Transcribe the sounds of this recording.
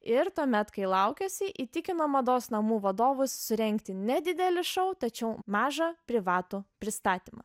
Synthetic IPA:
ɪɾt̪uɔmʲɛt̪kɐɪlˠɐʊkʲɛsʲɪʔiːt̪ʲɪkʲɪnoːmɐd̪oːsnɐmuːʋɐd̪oːʋʊssʊɾʲɛŋʲkt̪ʲɪnʲɛd̪ʲɪd̪ʲɛlʲɪʃɐʊt̪ɐt͡ʃʲɛʊmɑːʒɐpʲɾʲɪʋɑːt̪uːpʲɾʲɪst̪ɑːt̪ʲɪmɐ̰ː

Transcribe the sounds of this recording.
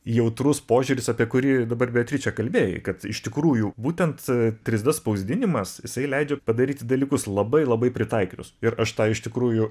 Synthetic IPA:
jɛʊt̪rʊspoːʒʲuɾʲɪsɐpʲiɛkʊɾʲid̪ɐbɐrbʲɛt̪ʲɾʲɪt͡ʃʲɛkɐlʲbʲeːjɛ̰kɐt̪ɪʃt̪ʲɪkɾuːjubuːt̪ʲɛnt̪t̪ʲɾʲɪzd̪ɐspɐʊzʲd̪ʲɪnʲɪmɐsjɪsɐɪlʲɛɪd͡ʒʲɛpɐd̪ɐɾʲiːt̪ʲd̪ɐlʲiːkʊslˠɐbɐɪlˠɐbɐɪpʲɾʲɪt̪ɐɪkʲit̪ʊsɪɾɐʃt̪ɑːɪʃt̪ʲɪkɾuːjʊ

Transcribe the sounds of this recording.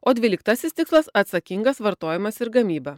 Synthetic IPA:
oːd̪ʲʋʲɪlʲɪk̚t̪ɐsʲɪst̪ʲɪkslˠɐsɐt̪sɐkʲɪŋɡɐsʋɐɾt̪oːjɪmɐsɪɾɡɐmʲiːbɐ

